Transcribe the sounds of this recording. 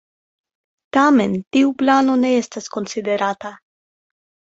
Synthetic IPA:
tame̞ntiuplano̞ne̞e̞stasko̞nside̞ɾata

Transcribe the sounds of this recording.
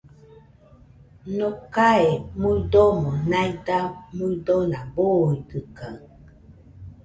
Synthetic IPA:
nokaemuidomonajdamuidonaboidɨkaŋ

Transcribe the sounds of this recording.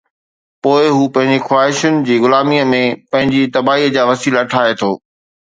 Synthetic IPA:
poːɪɦuːpɐ̃ɦɪ̃ɲd͡ʑixwaːɦɪʃʊnɪ̆d͡ʑiːɣʊlaːmiəmẽpɐ̃ɦɪ̃ɲd͡ʑit̪ɐbaːiːəd͡ʑaːʋɐsiːlaʈʰaːɦet̪ʰoː

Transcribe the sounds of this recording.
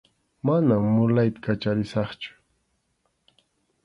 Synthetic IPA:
manamːʊlajt̪ḁkat͡ʃaɾɪsɑχt͡ʃʊ̥

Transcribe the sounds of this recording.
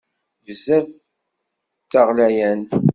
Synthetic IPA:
vəzæv | t̪ːaʁlæjæn

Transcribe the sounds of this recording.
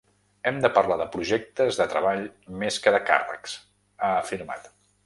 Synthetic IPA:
ɛmd̪əpərlaðəpɾuʒɛk̚t̪əzðət̪ɾəβaʎmeskəðəka̰rə̰ks | aəfiɾma̰t̪

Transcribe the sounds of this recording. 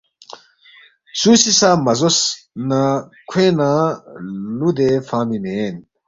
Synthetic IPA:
suːsisaːmɐzosnakʰẽːnã | lud̪efãːmimen

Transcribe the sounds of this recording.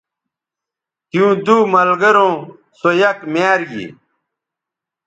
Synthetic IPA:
kjũːd̪uːmɐlɡɐɾõː | sojɐkmjaːɾɡḭ

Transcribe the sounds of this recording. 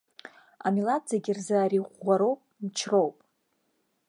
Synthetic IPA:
a̰milad͡zaɡʲirzaːɾiʁʷːaɾowpʼnt͡ʃʰro̞wpʼ

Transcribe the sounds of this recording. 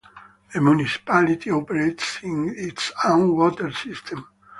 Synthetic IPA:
emjunisi̥palit̪ʰiɔpɛɾetsĩŋitsõnwɔt̪ɛɹsist̪ʰɛ̃m

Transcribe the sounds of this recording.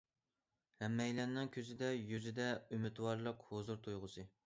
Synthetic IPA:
hɛmːɛjlɛnɪŋkʲʰøzɪd̪ɛjyzɪd̪ɛymɪt̪wɑɾlˠəqhozuɾt̪ʰujʁʊsɨ

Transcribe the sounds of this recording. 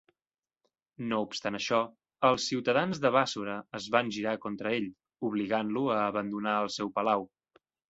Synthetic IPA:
noupst̪anəʃɔ | əlˠsːiwt̪əðanzðəβasuɾəəzβanʲʒiɾakont̪ɾəeʎ | uβ̞liɣanluəːβənd̪unaəlˠsɛwpəlaw

